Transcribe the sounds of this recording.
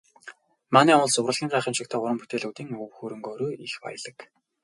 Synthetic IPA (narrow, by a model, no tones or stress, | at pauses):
maːniːɔʊ̆ɮsʊwrə̆ɮɣʲiːŋɢæːχĭːmʃɪ̆kt̪ʰæːʊɾə̆mput̪eːɮuːwt̪iːŋɵwxuːɾɵ̆ŋɡoːɾoːixpa̰jə̆ɮə̆k